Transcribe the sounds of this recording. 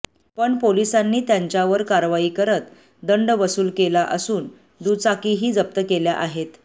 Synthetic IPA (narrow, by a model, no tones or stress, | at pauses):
pəɳpolisanːiːt̪jaɲt͡ɕjaʋəɾkaɾʋaiːkəɾət̪ | d̪əɳɖʋəsuːlkelaʔəsuːn | d̪ut͡sakiɦiːd͡zəp̚t̪əkeljaʔaɦet̪